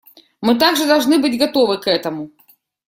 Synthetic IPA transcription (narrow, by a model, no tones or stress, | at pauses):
mɨt̪̬aɡʐɨd̪alˠʐnɨbɨd͡zʲɡat̪ɔvɨkɛt̪ɐmu